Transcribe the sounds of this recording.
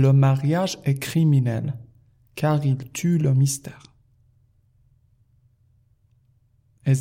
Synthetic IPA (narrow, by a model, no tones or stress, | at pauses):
ləmaʁjaʒɛkχiminɛl | kʰaʁilt̪ʰyləmist̪ɛːʁ | ɛz